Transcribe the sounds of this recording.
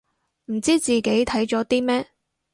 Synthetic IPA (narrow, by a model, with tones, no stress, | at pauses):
m̩˨˩t͡siː˥t͡siː˨ke˨˥jt̪ʰɐ˨˥jt͡sɔː˨˥t̪iː˥mɛː˥